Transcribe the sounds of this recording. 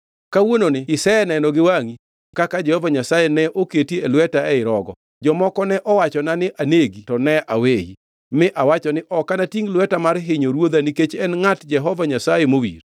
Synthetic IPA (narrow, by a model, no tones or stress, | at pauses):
kawononɪɪsɛɛnɛnɔɡɪwaŋi | kakad͡ʒɛhɔvaɲasajɛnɛʔoketielwɛtaɛɪɾɔɡɔ̰ | d͡ʒɔmɔkɔnɛʔɔwat͡ʃɔnanɪʔaneɡitɔnɛʔawejḭ | mɪʔawat͡ʃɔnɪʔɔkanatiŋlwɛtamarɦɪɲoɾwod̪aniket͡ʃɛnŋatd͡ʒɛɦɔvaɲasajemowḭr